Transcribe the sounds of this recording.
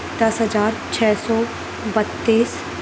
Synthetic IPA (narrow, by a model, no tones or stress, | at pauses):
d̪ɐsɦəd͡ʒaːɾt͡ʃʰɛːsɔː | bət̪ːiːs